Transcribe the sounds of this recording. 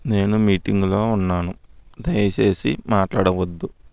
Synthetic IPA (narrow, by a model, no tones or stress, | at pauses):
ne̞ːnumiːʈiŋɡulo̞ːunːaːnud̪ɐjɐt͡ʃe̞ːsḭmaːʈlaːɽɐʋɐd̪ːu